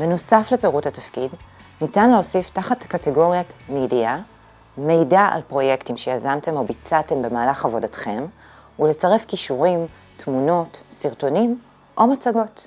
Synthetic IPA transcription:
benosafle̞peʁuthatafkidnitanleo̞siftaχatkateɡo̞ʁjamedia | me̞jdaʔa̰lpʁo̞jektimʃejazamte̞mo̞bit͡sate̞mbe̞maːlaχavo̞datχe̞m | ule̞t͡saʁefkiʃuʁim | tmuno̞tsiʁto̞nim | ʔo̞mat͡saɡo̞t

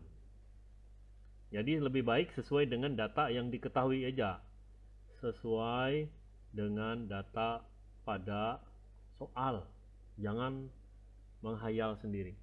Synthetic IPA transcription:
d͡ʒadiləbɪhbaɪksəsuajdəŋandat̪ajaŋdikət̪aɦuiəd͡ʒaʔ | səsuaj | dəŋandat̪a | pada | soʔal | d͡ʒaŋan | məŋɦajalsəndiɾi

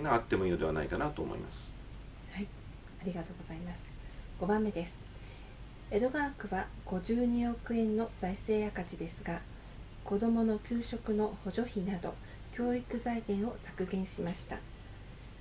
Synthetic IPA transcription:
ŋɡaat̪ːe̞moiːno̞d̪e̞βana̰ikanat̪o̞ːmo̰ḭma̰sɨ̥ | hai | aɾʲiɡat̪o̞ːɡo̞z̥aimasɨ̥ɡ̥o̞bãmːe̞d̪e̞sɨ̥ | e̞d̪o̞ɡaːkɯ̟βaɡ̥o̞ʑɨːɲ̟io̞kɯ̟ẽ̞nːo̞zaise̞ːjakat͡ɕid̪e̞sɨɡa | ko̞d̪o̞mo̞no̞kʲɨːɕo̞kɯ̟no̞ho̞ʑo̞çinad̪o̞̰ | kʲo̞ːikɯ̟zaiɡẽ̞ɰ̃o̞sakɯ̟ɡẽ̞ɰ̃ɕimaɕi̥t̪a̰

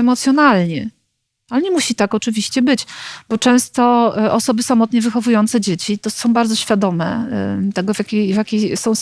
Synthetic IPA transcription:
ɛmɔt̪sjɔnalɲɛ | alɛɲɛmuɕit̪akɔt͡ʂɘvʲiɕt͡ɕɛbɘt͡ɕb̥ɔt͡ʂɛ̃w̃st̪ɔʔɔsɔbɘsamɔt̪ɲɛvɘxɔvujɔnt̪sɛd͡ʑet͡ɕit̪ɔsɔ̃w̃baɾd̪zɔɕfʲjad̪ɔmɛ̰t̪ɛɡɔvʲjakʲejvʲjakʲejsɔ̃w̃s

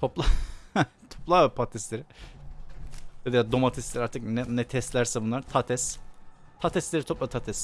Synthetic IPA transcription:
t̪ʰoplˠa | t̪ʰoplˠaapʰat̪ʰɛst̪lʲeɾɪ | d̪̥ed̪ijʲad̪omat̪ʰɛst̪lʲɛɾaɾt̪ʰɯknɛnɛt̪ʰɛst̪lʲæɾsɛbunlˠaɾt̪ʰat̪ʰɛst̪ʰat̪ʰɛst̪lʲeɾit̪ʰo̞plˠat̪ʰat̪ʰɛs

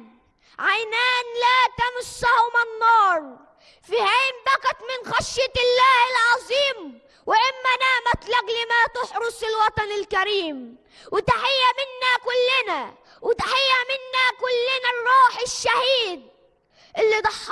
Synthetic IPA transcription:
ʕajnaːnlat̪amʊsːahmɪnːɑːɾˤ | fihaːmbaqat̪mɪnxaʃjat̪ɪlːaːhɪlʕɑzˤiːm | wɪʔɪmːanaːʕmat̪laɣlimat̪ʊħɾʊsˤɪlwɑt̪ˤɑnɪlkaɾiːm | wɪt̪aħɪjːamɪnːakʊlːɪna | wɪt̪aħɪjːamɪnːakʊlːɪnarˤːuːħɪʃːahiːd̪̚ | ʔɪlːid̪ˤɑħː

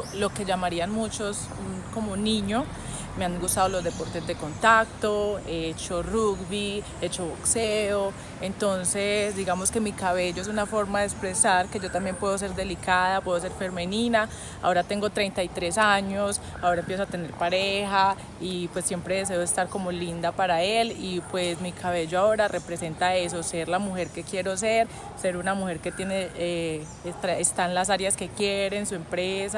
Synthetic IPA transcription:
lo̞ke̞ʝamaɾianmut͡ʃo̞s | ko̞moniɲo | me̞aŋɡust̪aðolo̞zd̪epo̞ɾt̪e̞zd̪e̞ko̞nt̪ak̚t̪oeet͡ʃo̞ruɡbi | et͡ʃo̞βokseo | ent̪o̞nse̞sd̪iɣamo̞ske̞mikaβe̞ʝoe̞sunafo̞ɾmaðekspɾe̞saɾke̞d͡ʒo̞t̪ambje̞mpwe̞ðos̬e̞ɾd̪e̞likaðapwe̞ðos̬e̞ɾfe̞ɾme̞nina | a̰o̞ɾat̪e̞ŋɡo̞t̪ɾe̞jnt̪ajt̪ɾe̞saɲo̞s | ao̞ɾaempje̞s̬oat̪e̞ne̞ɾpaɾee̞xa | ipwe̞sːje̞mpɾe̞ðe̞s̬e̞oest̪aɾko̞mo̞lind̪apaɾae̞lipwe̞smikʰaβe̞ʝoao̞ɾare̞pɾese̞nt̪aes̬o̞se̞ɾlamuxe̞ɾke̞kje̞ɾo̞s̬e̞ɾ | se̞ɾunamuxe̞ɾke̞t̪je̞nee | est̪ɾaest̪anlas̬aɾjaske̞kjeɾe̞nsue̞mpɾesa

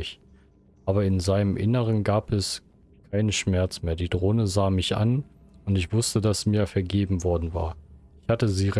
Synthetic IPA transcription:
ç | ʔaːbɐɪnzaɪnəmʔɪnəʁ̞ənɡaːpʰɛs | kʰaɪnəʃmɛɐt͡smeːɐdiːdʁoːnəzaːmɪçʔa̰nʊntɪçv̥ʊstədasmiːɐfɛɐɡeːbm̩vɔɐdn̩va̰ːɐɪçhatəziːʁ

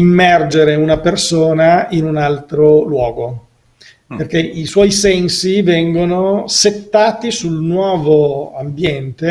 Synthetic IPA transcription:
imːɛrd͡ʒeɾeunapersoːnainunalt̪ɾolwɔːɡo | perkeʔiswɔjsɛnsivɛŋɡonoset̪ːaːt̪isulnwɔːvoambjɛnt̪e

